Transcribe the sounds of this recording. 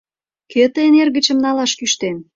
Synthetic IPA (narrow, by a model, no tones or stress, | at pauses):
ket̪əenerɣə̆t͡ɕə̆mnɑlɑʃkyʃt̪en